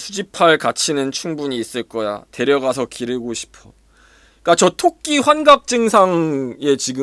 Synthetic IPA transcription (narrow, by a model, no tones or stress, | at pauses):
sʰud͡ʑipʰaɭkat͡ɕʰinɯnt͡ɕʰuŋbuɲiːs͈ɯɭk͈ʌja̰te̞ɾjʌɡasʰʌkiɾɯɭɡoɕʰi̥pʰʌ | ik͈at͡ɕʌtʰok̚k͈iɸwanɡap̚t͡ɕ͈ɯŋsʰaŋe̞t͡ɕiɡɯ